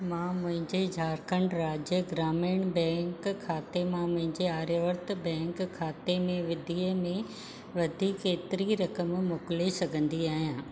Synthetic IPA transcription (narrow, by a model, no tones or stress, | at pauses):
mãːmʊ̃ɦɪ̃ɲd͡ʑed͡ʑʱaːɾkə̃ɳɖɾaːd͡ʑjəɡɾaːmeːɽbɛ̃ːŋkkʰːaːt̪emãmʊ̃ɦɪ̃ɲd͡ʑeaːɾjəʋəɾt̪bɛ̃ːŋkʰːaːt̪emẽʋɪd̪ʱiːəmẽ | ʋɐd̪ʱiːkːeːt̪ɪɾiɾɐkəmmʊklesɐɡʱə̃nd̪iaːɦijãː